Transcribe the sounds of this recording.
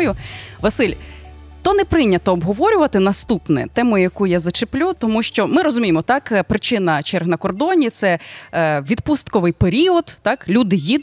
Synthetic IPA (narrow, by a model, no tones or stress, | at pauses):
jʊʋɐsɪlʲ | t̪ɔnɛpɾɪnʲːɐt̪ɔːbɦɔʋɔɾʲʊʋɐt̪ɪnɐst̪upnɛ̰t̪ɛmʊjʊjɐkujazɐt͡ʃeplʲut̪ɔmuʃt͡ʃɔmɪɾɔzʊmʲijemɔt̪ɑkpɾɪt͡ʃɪnɐt͡ʃɛrɦnɐkɔrd̪ɔnʲit̪sɛ | ʋʲid̪pust̪kɔʋɪjpeɾʲiɔd̪ːɑklʲud̪ɪjid̪